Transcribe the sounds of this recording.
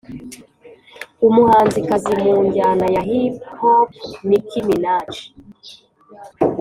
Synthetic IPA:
umuhaːnzikazimuːɲɟanajaɦiphopnikiminaːt͡ʃi̥

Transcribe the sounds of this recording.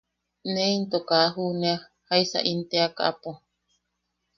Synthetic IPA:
nẽint̪okaɦunea | haisa̰ʔint̪eaka̰ʔapo

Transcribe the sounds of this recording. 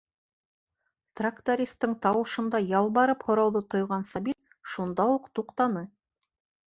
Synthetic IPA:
t̪rakt̪oɾʲist̪ɤɴt̪ɑwɤ̆ʃɤ̆nd̪ɑjɑlˠbɑɾɤphŏɾɑwðɤt̪ŏjʁɑnsɑbit̪̚ | ʃund̪ɑwuqt̪uqt̪ɑnɤ

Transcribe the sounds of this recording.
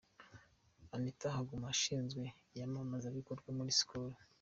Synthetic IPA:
anitahaɡumaʃiːnzɡwe̞ | jamamazaβikoɾɡwamuɾisi̥kuɾo

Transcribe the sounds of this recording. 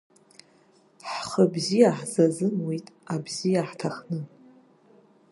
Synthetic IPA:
ħχəbzijaħzazɨmwitʼabzijaħtʰaχnɨ

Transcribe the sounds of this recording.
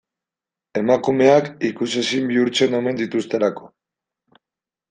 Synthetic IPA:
e̞makume̞akikusesimbiuɾt͡se̞no̞me̞nd̪it̪ust̪e̞lako̞

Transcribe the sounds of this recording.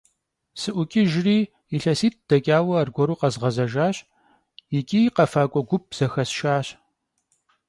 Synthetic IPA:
sɨʔʷʊkʲʼiʒɪriː | iɬɐsiːt̚ʰd̥ɐkʲʼaːwɐːrɡʷɔɾuːqɐzʁɐzɐʒaːɕ | jɪkʲʼiːqɐfaːkʷʼɔɡʷʊp̚z̥ɐxɐsʃaːɕ

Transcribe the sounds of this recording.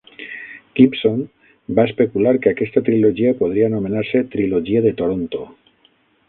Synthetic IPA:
kipsom | baespe̞kulaɾke̞ake̞st̪at̪ɾiloʒiapo̞ð̞ɾianome̞naɾse̞t̪ɾiloʒiaðe̞t̪o̞ɾont̪o

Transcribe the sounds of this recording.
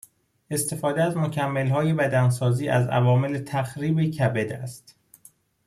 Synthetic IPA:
ʔe̞st̪e̞fɒːd̪eæzmo̞cʰæmːelɦɒːje̞bæd̪ænsɒːziːʔæzæ̰vɒːmelet̪ʰæxɾiːbecʰæbed̪æst̪

